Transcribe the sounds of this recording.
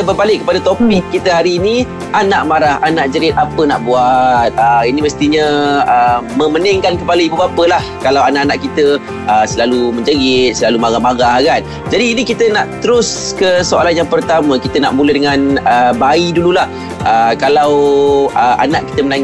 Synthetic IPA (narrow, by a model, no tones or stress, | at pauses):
bərbalɪkːəpadat̪opikkːit̪əɦaɾiːni | ʔanaʔmaɾahanaʔd͡ʒəɾɪt̪̚apəna̰ʔbuat̪̚əiniməst̪iɲəəməmənɪŋkankəpalaibubapəlahkalawanaʔanaʔkit̪ə | əsəlaluməɲd͡ʒəɡɪt̪̚səlalumaɡamaɡahɡan̚ | d͡ʒadiːnikit̪ənaʔt̪əɾʊskəsoa̰lanjaŋpərt̪amãkit̪əna̰ʔmulədəŋanəbaidululah | əkalawəʔa̰naʔki̥t̪əmənaŋ